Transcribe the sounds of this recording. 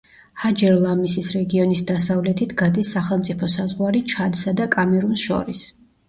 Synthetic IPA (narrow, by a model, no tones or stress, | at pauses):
had͡ʒɛɾlˠamisisɾɛɡiɔnisd̪asavlɛt̪ʰit̪ʰɡad̪isːaχɛlˠmt̪sʼipʰɔsazʁwaɾit͡ʃʰad̪sad̪akʼamɛɾunsʃɔ̰ɾis